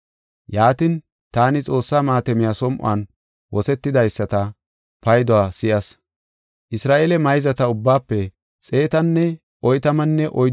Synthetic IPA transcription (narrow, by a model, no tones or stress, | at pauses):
jaːt̪ɪn | t̪aːnɪt͡sʼo̞ːsːaːmaːt̪ɛmɪjasɔmʔʊ̰aːn | wɔsɛt̪ːɪd̪ɐjsːɐt̪ɐ | pɐjd̪ɔwaːsɪʔɐs | ʔɪsɾaːʔeːlɛmɐjzɐt̪ɐʊbːaːpːɛ | t͡sʼe̞ːt̪ɐnːɛ | ʔɔjt̪ɐmɐnːɛʔɔ